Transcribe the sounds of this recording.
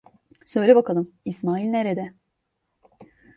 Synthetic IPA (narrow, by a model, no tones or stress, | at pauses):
sø̞jlʲɛbakalˠɯmismaːilʲneɾed̪ɛ